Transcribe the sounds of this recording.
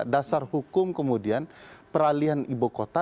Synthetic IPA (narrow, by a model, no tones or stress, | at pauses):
dasarhukʊmkəmudianpəɾalianibokot̪a